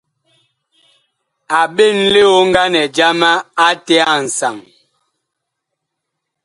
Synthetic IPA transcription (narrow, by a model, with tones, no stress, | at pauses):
a˨ɓe˦˨nle˦o˦ŋ̩˦ɡa˦nɛ˨d͡ʒa˦ma˦a˦tɛ˦a˦˨n̩˨sa˨ŋ